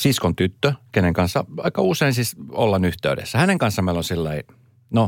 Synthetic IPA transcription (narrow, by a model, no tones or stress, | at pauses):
siskont̪yt̪ːøkeneŋkɑnsːɑ̰ɑikɑuseinsisolːɑnyht̪ḛydḛsːæhæneŋkɑnsːɑmmeilonsilːɑi | no